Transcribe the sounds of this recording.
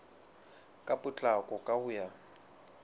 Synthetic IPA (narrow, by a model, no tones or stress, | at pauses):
kʼapʼʊt͡ɬʼakʼɔkʼaʊja